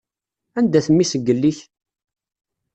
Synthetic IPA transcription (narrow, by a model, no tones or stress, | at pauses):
ænd̪æθəmːisəɡːəlːiç